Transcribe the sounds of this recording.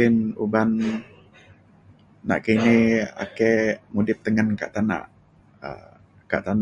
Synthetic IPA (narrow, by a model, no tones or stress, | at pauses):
ɪnuban | a̰ʔkiinia̰kɛmudɪp̚t̪əŋənka̰ʔt̪ana̰ʔ | ə̰ | ka̰ʔt̪an